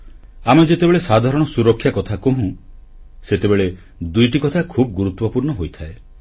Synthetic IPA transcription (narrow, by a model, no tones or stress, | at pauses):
amɔd͡ʒet̪ebeɭesad̪ʱaɾɔɽ̃ɔsuɾɔkʰːjakɔt̪ʰakoɦũ | set̪ebeɭe | d̪ujʈikɔt̪ʰakʰub̚ɡuɾut̪wɔpuɾɳɔɦojt̪ʰae